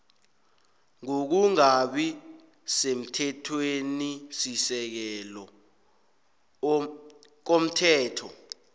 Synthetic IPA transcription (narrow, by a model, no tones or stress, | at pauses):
ŋok̬uŋaɓi | sem̩tʰɛtʰwenisisɛk̬ɛlɔ | k̬om̩tʰɛːtʰɔ